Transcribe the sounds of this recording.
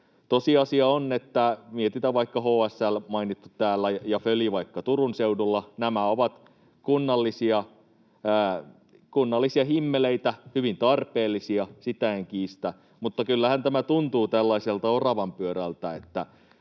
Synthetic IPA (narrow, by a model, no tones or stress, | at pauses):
t̪osiɑsiɑonːet̪ːæmiet̪it̪æʋɑikːɑhoːæsːælmɑinit̪ːut̪æːlːæjɑføliʋɑikːɑt̪urunseudulːɑnæmæoʋɑt̪ | kunːɑlːisiɑː | kunːɑlːisiɑhimːeleit̪æhyʋint̪ɑrpeːlːisiɑsit̪æeŋkiːst̪æ | mut̪ːɑkylːæhænt̪æmæt̪unt̪uːt̪ælːɑiselt̪ɑorɑʋɑmpyøɾælt̪æet̪ːæ